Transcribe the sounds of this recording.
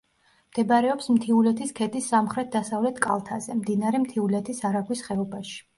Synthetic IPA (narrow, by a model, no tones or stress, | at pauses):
md̪̥ɛbaɾɛɔpsmt̪ʰiulɛt̪ʰiskʰɛd̪isːamχɾɛt̪̚d̪asavlɛt̪ʰkʼa̰lˠt̪ʰazɛmd̪inaɾɛmt̪ʰiulɛt̪ʰisaɾaɡwisχɛɔbaʃi̥